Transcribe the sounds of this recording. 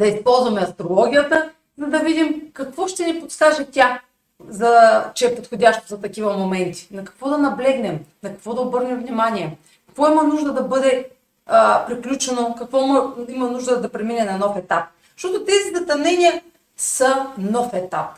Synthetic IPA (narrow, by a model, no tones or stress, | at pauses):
d̪ɐispɔlˠzvɐmɛɐst̪ɾolˠɔɡʲiət̪ə | zɐd̪ɐvid̪imkɐkvɔʃt̪ɛnipot̪skaʒɛt̪ʲa | zɐt͡ʃɛɛpot̪xodʲaʃt̪ozɐt̪ɐkivɐmomɛnt̪i̥nɐkɐ̥kvɔd̪ɐnɐblɛɡnɛmnɐkɐ̥kvɔd̪ɐobɤɾnɛmvnimaniɛ | kɐ̥kvɔimɐnuʒd̪əd̪ɐbɤd̪ɛ | pɾiklʲut͡ʃɛnokɐkvɔmimɐnuʒd̪əd̪ɐpɾɛminɛnɐnɔfɛt̪ap̚ | zʃt̪ɔt̪ʊt̪ɛzizɐt̪ɐnɛnʲiə | sɐnɔfɛt̪ap̚